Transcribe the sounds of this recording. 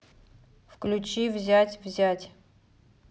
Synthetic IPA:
fklʲut͡ɕivzʲatʲvzʲatʲ

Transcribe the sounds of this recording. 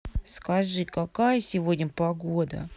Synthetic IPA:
skɐʐɨkakajəsʲɪvodʲnʲəpɐɡod̪ə̰

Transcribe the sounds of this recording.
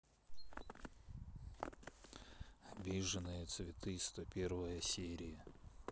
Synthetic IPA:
ɐbʲiʐɨnɨjət̪svʲɪt̪ɨst̪ɐpʲervəjəsʲeɾʲɪjə

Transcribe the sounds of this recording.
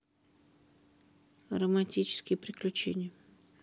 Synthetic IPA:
ɣrɐmatʲit͡ʃɪ̥skʲipɾʲɪklʲʊt͡ʃɛ̰nʲːɐ

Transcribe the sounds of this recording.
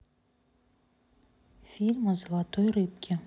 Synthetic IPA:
fʲilʲmozlˠɑt̪ojɾɨpkʲʰɪ

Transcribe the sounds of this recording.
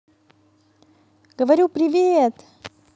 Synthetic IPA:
ɡ̥əvɐɾʲupɾʲɪvʲet̪

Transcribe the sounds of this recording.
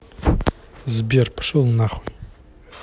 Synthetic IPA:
zbirpʰʂɨlˠnaχij

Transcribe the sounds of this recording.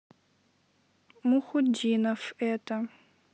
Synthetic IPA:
muxʊd͡ʒinafɛta

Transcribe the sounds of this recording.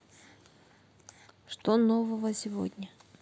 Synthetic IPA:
ʂt̪onovəvəsʲɪvo̰dʲnʲə

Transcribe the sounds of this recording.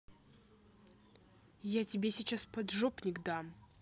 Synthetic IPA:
jatʲɪbʲesʲɪt͡ɕaspɐd̪ʐopnʲɪkd̪am

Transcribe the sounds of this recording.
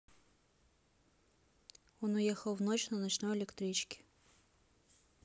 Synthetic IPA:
onʊjexəlˠvnot͡ɕnənɐt͡ɕnojɪlʲɪkt̪ɾʲit͡ɕkʲɪ̥

